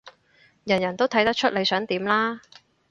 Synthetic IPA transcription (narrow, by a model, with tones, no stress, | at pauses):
jɐ˨˩njɐ˨˩nt̪o˥wt̪ʰɐ˨˥jt̪ɐ˥k̚t͡ʃʰɵ˥t̚le˨˧jsœː˨˥ŋt̪iː˨˥mlaː˥